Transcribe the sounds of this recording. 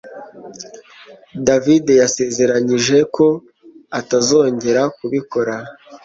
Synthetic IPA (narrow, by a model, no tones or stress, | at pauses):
davide̞jase̞ːze̞ɾaɲiʒe̞ko̞ | atazo̞ːɲɟe̞ɾakuβiko̞ɾa